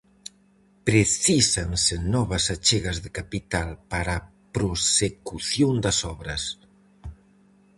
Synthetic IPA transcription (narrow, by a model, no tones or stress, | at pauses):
pɾeθisansenɔβasat͡ʃeɣɐzðekapit̪alpaɾa | pɾosekuθjond̪ɐsɔβɾɐs